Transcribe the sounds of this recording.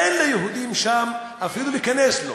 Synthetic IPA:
enlejeɦud̪imʃam | afiluliːkaneslo̰

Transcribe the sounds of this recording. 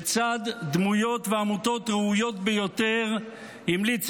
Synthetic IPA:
t͡sad̪ːmujo̞t̪veamut̪o̞t̪ʁeujo̞t̪bejo̞t̪eʁ | imlit͡s

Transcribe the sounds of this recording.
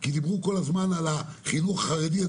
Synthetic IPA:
kid̪ibʁuko̞lazmanalaχinuχaχaʁedia

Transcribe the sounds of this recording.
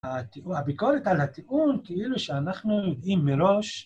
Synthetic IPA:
at̪ihabikoɾet̪alhat̪iʔunkeiluʃeanaχnujod̪ʔimːeɾo̞ʃ

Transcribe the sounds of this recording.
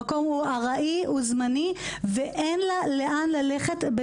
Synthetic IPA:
ko̞mhuaʁaʔiʔuzmani | veʔenlaleʔanlaleχetbe

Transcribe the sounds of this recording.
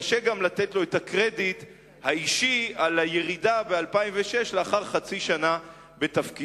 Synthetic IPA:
ʃeɡamlat̪etlo̞etakʁe̞dit̪ | haiʃialaje̞ʁidabealpaimveʃeʃleaχaʁχat͡siʃana | be̞tafki

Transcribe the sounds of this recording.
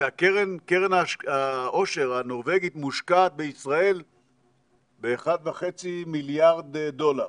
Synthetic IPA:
akeʁenkeʁenaaʔo̞ʃe̞ʁano̞ʁve̞ɡit̪muʃkaːt̪̚beisʁae̞l | beːχad̪vaχet͡similjaʁd̪do̞laʁ

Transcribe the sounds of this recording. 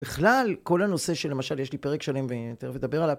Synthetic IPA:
biχlalko̞lhano̞se̞ʃelːe̞maʃaljeʃlipe̞ʁekʃale̞mvet̪eʁevled̪abe̞ʁalav

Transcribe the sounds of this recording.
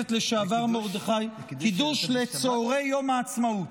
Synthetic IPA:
et̪le̞ʃeavaʁmo̞ʁd̪eχajkid̪uʃlet͡soːʁe̞jːo̞maːt͡smaut

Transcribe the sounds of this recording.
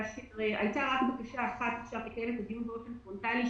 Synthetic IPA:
ʃiʁeʔa̰jt̪aʁakbakaʃaːχat̪aχʃaʁt̪ikaelet̪ad̪ijunbeofenfont̪ali

